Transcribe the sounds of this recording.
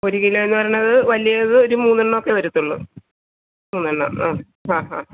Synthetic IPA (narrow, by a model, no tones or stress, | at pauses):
oɾiɣilːɐenːɨpɐɾɐːɐðɨʋɐlijɐðɨo̞ɾumuːnːɨɳːɐokːe̞ʋɐɾut̪ːuɭːɐɨ | muːnːɨɳːɐ̰aː | haːɦaː